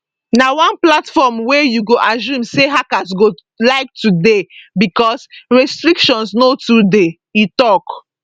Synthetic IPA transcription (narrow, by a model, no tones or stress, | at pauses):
nawãnplatfɔmwɛjuɡoʔazũmseɦakas̬ɡo | laɪk̚tudebikɔsɹɛstɹikʃɔ̃nsnotude | itɔk